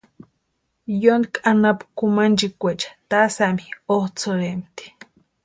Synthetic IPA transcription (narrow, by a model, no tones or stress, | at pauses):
jond̪kʼanapkumand͡ʒikʷet͡ʃḁt̪asamioht͡sʰoɾemt̪i̥